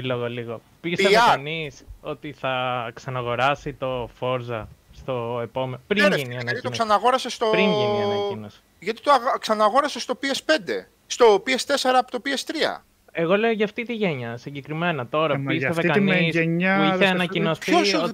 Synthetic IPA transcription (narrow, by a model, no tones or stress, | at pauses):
iloɣoliɣo̞ | piseekɐniso̞t̪iθɐksɐnɐɣo̞ɾɐsit̪o̞fo̞ɾzɐst̪o̞epo̞menopɾiɾiniɐnɐiionsɐnɐɣo̞ɾɐsest̪opɾinʝinɐɐinosi̥ | ʝɐt̪i̥t̪oɣksɐnɐɣo̞ɾɐsest̪o̞piespe̞nd̪e̞̰ | st̪o̞piest̪e̞seɾɐːpot̪opiest̪ɾiɐ̰ | e̞ɣo̞le̞oʝɐːft̪it̪iʝeɲɐsiɲɟe̞kɾime̞nɐt̪o̞ɾɐisevekɐniseɲɐieɐnɐinosçoso